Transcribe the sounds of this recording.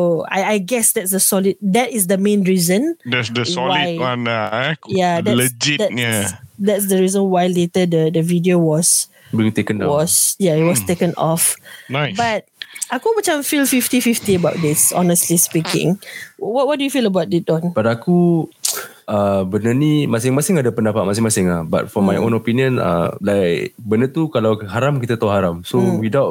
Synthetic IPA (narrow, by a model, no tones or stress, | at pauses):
soa̰jajɡɛsdɛtsdəsɔlid̚dɛtɪsdəmẽnɹizə̃ndɛsdəsɔlwajanjaɛləd͡ʒidɛt̚adɛts̬dəɹizə̃nwajletədədəvidiowɔs | bit̪ekə̃nwɔsjaitwɔstekə̃nɔ̰fbat̚akomət͡ʃãmfilfiftififtiəbaʊt̚dɪsɔ̰nəstlispikɪ̰̃ŋwɔt̚wɔt̚dujufiləbaʊt̚dɪtɔ̃nb̥adaku | əbənənĩmasɪŋmasɪŋadapəndapat̚mas̬ɪŋmasɪŋahba̰t̚fɔmajʔõ̰nopiniə̃nə̰lajkbənət̪ukalawɦaɾamkit̪at̪aɦaɾamsowidawt̚